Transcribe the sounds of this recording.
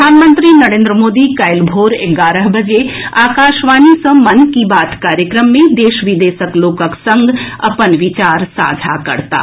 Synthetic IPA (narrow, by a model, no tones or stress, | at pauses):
aːnmə̃nt̪ɾinɐɾẽːnd̪ɾəmoːd̪ikaɪlbʱoːɾeɡaːɾəɦbɐd͡ʒeaːkaːʃʋaːnisə̃mɐnkibaːt̪kaːɾjəkɾəmːẽd̪eːʃʋid̪eːʃəkloːkəksɐ̃ŋɡɐ̰pənʋɪt͡ʃaːɾsa̰ːd͡ʒʱa̰kɐ̰ɾt̪a̰ː